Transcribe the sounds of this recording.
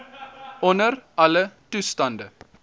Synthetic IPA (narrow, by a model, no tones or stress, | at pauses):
ʉnəɾʔɑlət̪ʏst̪ɑnd̪ə